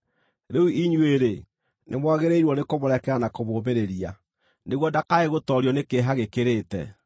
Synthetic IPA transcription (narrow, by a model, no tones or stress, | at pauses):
ɾeuiɲueɾe | nʔemwaɣeɾeiɾwɔnekoβoɾɛkɛɾanakoβoːmeɾeɾia̰ | neɣwɔdakaeɣotɔɾjɔnekeɦaɣekeɾetɛ̰